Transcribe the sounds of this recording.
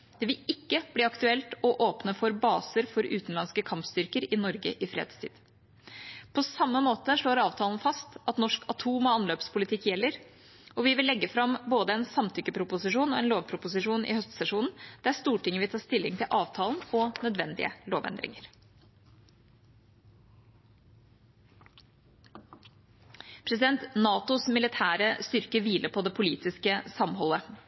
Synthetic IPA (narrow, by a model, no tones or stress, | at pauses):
d̪̥ɛʋɪɪkːəb̥liːɑkt̪ʉɛlt̪ɔʔoːpnəfɔɾbɑːsəɾfɔɾʉ̰ːt̪n̩lɑnskəkʰɑmpst̪ʏɾkəɾɪnɔɾɡə̰ʔɪfɾḛːd̪st̪ʰḭːd̪ | pʰɔsɑmːəmoːt̪əʂɭoːɾɑːʋt̪ʰɑːln̩fɑst̪ɑt̪nɔʂkʰɑt̪ʰuːmɔɑnløːpspʰʊlɪt̪ʰɪkːjɛlːəɾ | ɔʋɪʋɪlːɛɡːəfɾɑmboːd̪əɛnsɑmt̪ʰʏkːəpʰɾʊpʊsɪʂuːnɔɛnloːʋpʰɾʊpʊsɪʂuːnʔɪ̰hœst̪əsɛʂuːnn̩d̪̥ɛæst̪uːʈɪŋːəʋɪt̪ʰɑːʂt̪ɪlːɪŋt̪ʰɪlʔɑːʋt̪ʰɑːln̩ɔnœd̪ʋɛnd̪ɪ̰ə̰loːʋɛ̰nd̪ɾɪ̰ŋəɾ | pʰɾɛsɪd̪ɛnt̪nɑːt̪ʊsmɪlɪt̪ʰæːɾəst̪ʏɾkəʋiːlʔəpʰɔd̪ɛpʰʊliːt̪ɪskəsɑmɦɔlːə